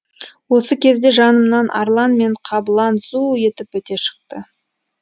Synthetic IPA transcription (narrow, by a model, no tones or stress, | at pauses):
wo̞səkʲʰe̞zd̪e̞ʒɑnəmnɑnʔɑ̰ɾlˠɑnme̞ɴqʰɑblˠɑnzuje̞t̪ɪpɵt̪e̞ʃə̥q̚t̪ə